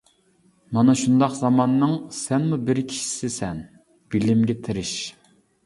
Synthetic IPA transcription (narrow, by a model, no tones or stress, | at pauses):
mɑnɑʃund̪ɑqzɑmɑnːɨŋsɛnmubɪɾkʲʰi̥ʃi̥sɪsɛn | b̥ilɪmɡʲɛt̪ʰɪɾɪʃ